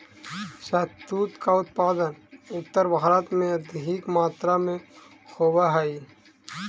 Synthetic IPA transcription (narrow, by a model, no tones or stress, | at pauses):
ʃət̪uːt̪kaʊt̪̚paːd̪ənʊt̪ːəɾbɾət̪mẽɐd̪ɦikmaːt̪ɾamẽ | xoːbaɦai